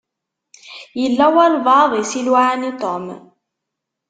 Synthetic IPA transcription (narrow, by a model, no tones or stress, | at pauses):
jilːawalbɑːðˤisilwanit̪ˤom